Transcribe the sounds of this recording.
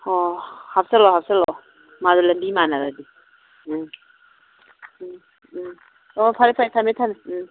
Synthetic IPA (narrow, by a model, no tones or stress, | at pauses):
ɔhapsalɔɦap̚salɔ | madulɐmbimanaɾadi | ɔpʰaɾipʰaɾitʰametʰan